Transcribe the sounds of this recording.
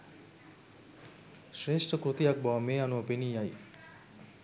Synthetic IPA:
ʃreːʂʈəkɾut̪ijak̚baʋameːanuʋəpeniːaj

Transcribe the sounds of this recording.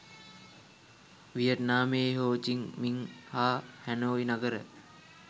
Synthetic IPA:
ʋijət̪naːmeːɦoːt͡ʃiŋmiŋhaːhænoːinaɡəɾə̰

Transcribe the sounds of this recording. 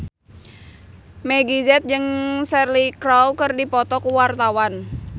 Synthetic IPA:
meɡizɛt̪̚d͡ʒɨŋsɛrlikɾawkərdipɔt̪ɔkuwart̪awan

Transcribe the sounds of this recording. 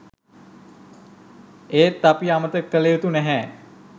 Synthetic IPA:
eːt̪ːapiamət̪əkːəleut̪unɛɦɛː

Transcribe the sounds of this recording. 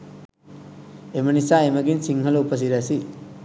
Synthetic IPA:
emɐnisaemɐɡinsiŋɦɐlowpɐs̬iɾasi

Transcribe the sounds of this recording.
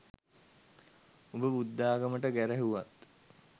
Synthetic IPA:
obəbud̪ːaːɡəməʈəɡæɾæɦuʋat̪

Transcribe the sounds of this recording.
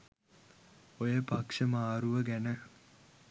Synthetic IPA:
ojəpɐkʂəmaːɾuʋəɡænə

